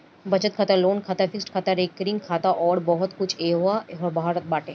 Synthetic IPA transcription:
bɐt͡ʃət̪̚kʰaːt̪aloːnkʰaːt̪afʰɪksʈkʰaːt̪aɾeːkːəɾɪ̃ŋɡkʰaːt̪aʔɔːɾbɔɦɔt̪kʊt͡ʃʰeːɦaɦɔɾbʱaːɾət̪̚baːʈẽː

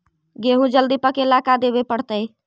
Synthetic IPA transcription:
ɡeɦũd͡ʒəld̪ipəkelakad̪ebepəɽt̪əj

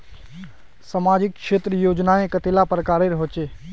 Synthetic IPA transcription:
samaːd͡ʒɪkkʃeːt̪ɾəjoːd͡ʒnaẽkət̪eːlapɾəkaːɾeɾɦoːt͡ʃeː

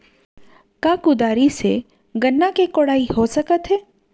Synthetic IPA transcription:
kakʊd̪aːɾisḛ | ɡənːakekoɽaːiɦosəkət̪ɦɛː

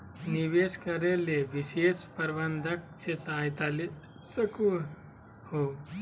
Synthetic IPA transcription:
niʋeskɐɾeleʋiʃeːspɐɾbənd̪ʱɐk̚t͡ʃʰesajt̪ali | səku | ho

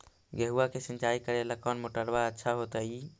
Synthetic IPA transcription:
ɡeɦuakesĩnt͡ʃaikəɾeləkɔnmoʈəɽbaətːʃʰaɦot̪əi

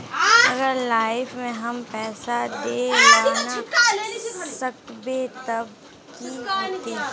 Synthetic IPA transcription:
ɐɡəɾlaːɪfmẽɦɐmpɛːsad̪ed͡ʒaːna | sɐkbet̪ɐb | kit̪ẽ

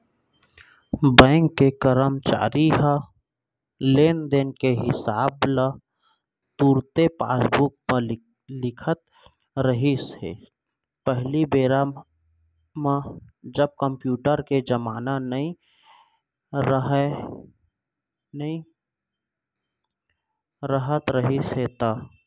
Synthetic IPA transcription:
bɛ̃ːŋkːekəɾəmt͡ʃa̰ːɾiɦə | leːnd̪eːnkeɦɪsaːbla | t̪uːɾt̪epa̰ːsbuːk̚mə | lɪkʰət̪̚ | ɾəɦisḛ | pəɦlibeːɾam | med͡ʒəb̚kəmpjuːʈəɾked͡ʒəmaːnanəĩ | ɾəɦe | nəĩ | ɾəɦət̪ɾəɦisɦet̪a

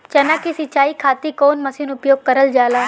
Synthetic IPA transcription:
t͡ʃɐnakisɪt͡ʃaːikʰaːt̪ikoːnmɐsinʊpjoːɡ̚kɐɾəld͡ʒaːlaː

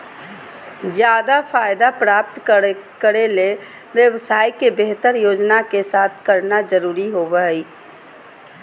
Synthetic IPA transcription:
d͡ʒjaːd̪apʰaːjd̪apɾaːp̚t̪kəɾele | ʋjəwsaːikebeɦt̪əɾjoːd͡ʒnakesaːt̪ʰkəɾnad͡ʒəɾuːɾiɦobəɦəi

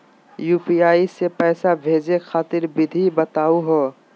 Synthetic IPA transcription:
juːpiaːisepɛːsabʱeːd͡ʒexʰaːt̪ɪɾbɪd̪ʱibət̪aːuɦo

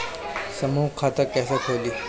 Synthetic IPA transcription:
səmuːkʰːaːt̪əkɛːsekʰoːliː

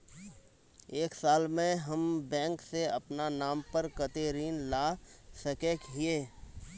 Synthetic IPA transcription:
eːksaːlmẽɦəmbɛ̃ːŋkseɐpnanaːmpəɾkət̪eːɾiːnlaːsəkekɦieː

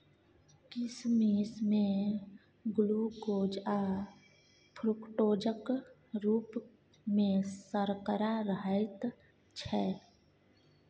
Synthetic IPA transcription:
kɪsmiːsmẽ | ɡʊluɡoːd͡ʒa | pʰɾʊkʈoːd͡ʒək | ɾuːp | mẽsəɾkəɾaɾəɦəɪt̪ | t͡ʃʰɛː

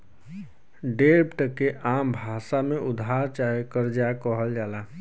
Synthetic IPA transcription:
ɖepʈəkeʔambʱasameʔʊd̪ʱaɾt͡ʃaɦjkəɾd͡ʒakəɦəld͡ʒaːla

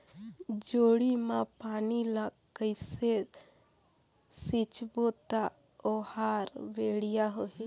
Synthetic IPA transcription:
d͡ʒoːɽimãpaːnila | kəɪse | sit͡ʃbot̪a | ohaːɾʋeɽijaɦo

